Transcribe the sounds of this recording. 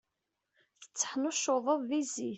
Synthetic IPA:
θə̥t͡sːə̥ħnoʃoðˤəðˤðizi

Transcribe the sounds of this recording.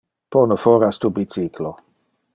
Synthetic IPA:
ponofɔɾast̪ubit͡siklo

